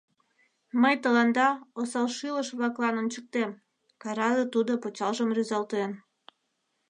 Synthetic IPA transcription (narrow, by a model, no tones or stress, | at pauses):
məjt̪əlɑnd̪ɑosɑlʃiləʃβlɑklɑnont͡ɕək̚t̪em | kɑɾɑd̪ət̪ud̪opot͡ɕɑlʒəmryzɑlt̪en